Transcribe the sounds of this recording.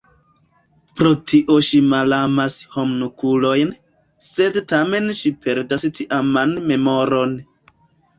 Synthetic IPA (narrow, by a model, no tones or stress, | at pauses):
pɾotʰiʔo̞ʃimalamashomnukulo̞jn | se̞dtame̞nʃipʰe̞ɾdastʰiʔamanme̞mo̞ɾo̞n